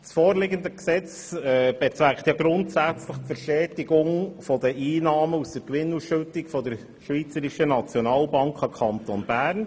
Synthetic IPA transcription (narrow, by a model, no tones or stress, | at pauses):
sfɔːɾleɡənd̪əksɛt͡s | ɛb̥ɛt͡sʋækχt̪jɑɡɾʊnt̪sæt͡sləχtfəɾʃɛːtɪɡʊŋfɔd̪əʔiːnɑːməust̪əɾkʋɪnːusʃɵtːɪkfɔd̪əɾ | ʃʋiːt͡səɾiʃənɑt͡sjɔnɑːlbɑŋkʰɑkʰɑnt̪onbæːɾn